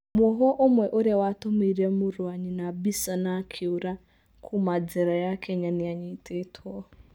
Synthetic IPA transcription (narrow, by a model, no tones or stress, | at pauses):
mɔɦɔʔomwɛʔoɾjawatomiɾemʊɾuaɲinabisanakʰiuɾa | kʰumad͡zɛɾajakʰɛɲanɪaɲitʰetʰɔ